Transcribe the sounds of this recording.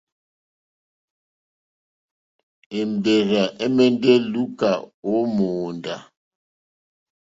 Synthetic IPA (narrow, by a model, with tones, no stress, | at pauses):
e˨m̩˨be˨ɾa˨ʔe˦me˦nde˦lu˦ka˨o˨˦moː˨nda̰˨